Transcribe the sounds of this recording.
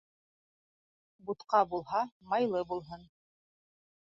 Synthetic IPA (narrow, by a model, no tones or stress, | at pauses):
but̪qɑbulˠɦɑmɑjlˠɤbulˠɦɤn